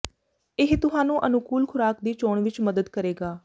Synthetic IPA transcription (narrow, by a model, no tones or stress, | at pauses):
ɪɦt̪ʊɦaːnũːʔənʊkuːlkʰʊɾaːkd̪iːt͡ʃoːɳʋɪt͡ʃməd̪əd̪kəɾeːɡaː